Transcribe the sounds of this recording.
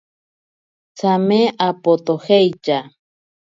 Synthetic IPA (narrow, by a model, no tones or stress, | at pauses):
t͡sʰameʔapot̪oxejt͡ʃa